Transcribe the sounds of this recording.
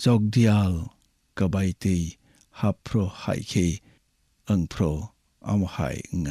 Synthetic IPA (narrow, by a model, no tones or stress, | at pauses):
zɔk̚dial | kabajtej | hapʰːɾɔha̰jkʰej | əŋpʰɾɔ | ʔa̰mha̰jŋa